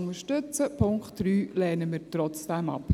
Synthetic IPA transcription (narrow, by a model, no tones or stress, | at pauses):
ʊŋəʃtɵt͡səpʰʊŋkχtɾyːlɛːnəmiːɾtɾɔt͡sd̥ɛmɑ̰p